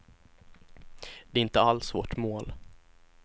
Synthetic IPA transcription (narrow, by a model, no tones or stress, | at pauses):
d̪̥ɛːɾɪnt̪əalsvoːʈmoːl